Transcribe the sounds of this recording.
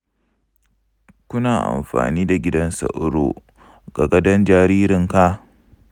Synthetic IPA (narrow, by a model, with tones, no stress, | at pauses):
kʷʊ˦naː˨ʔa̰˨mɸa̰ː˨niː˦da˨ɡʲɪ˦dɐ˦nsɐ̰˨ʔʊ˦ɽo̰ː˨ | ɡ̥a˨ɡɐ˦dɐ˦nd͡ʒaː˨ɾiː˦ɾɪ˨ŋka˦